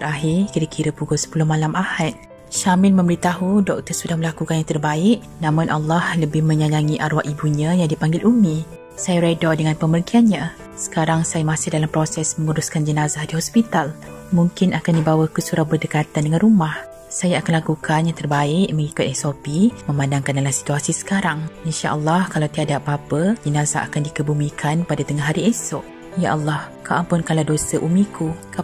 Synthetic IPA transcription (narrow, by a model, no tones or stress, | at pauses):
t̪aɦɪrkiɾəkʰiɾəpuɡɔsə̥pulʊhmalamʔahat̪̚ | ʃamɪlmə̃mbəɾit̪aɦudɔk̚t̪ərsudahməlakukanjaŋt̪ərbaɪʔ̚ | nãmʊ̃nʔalːahləbɪhmə̃ɲaɲaŋiʔaɾwaʔibuɲãjaŋdipaŋɡɪlʔumĩ | sajaɾedɔdəŋãnpəmərɡianɲã | sə̥kaɾaŋsajamasɪhdalampɾosɛsməŋuɾʊskand͡ʒənazahdiɦɔspit̪almuŋkɪnʔakandibawakusuɾahbərdəkat̪andəŋãnrumah | sajaakanlakukʰanjaŋt̪ərbaɪʔmə̃ŋikʊt̪ɛsopimə̃mãndaŋkandalamsi̥t̪uasisə̥kaɾaŋinʃa̰ʔəlːɔhkalawt̪iadapapəd͡ʒənazahʔa̰kandikəbumikʰanpadat̪əŋaɦaɾiesɔʔ | ja̰ʔɑlːɑhkaʔanpʊnkaladosəʔumikʰuka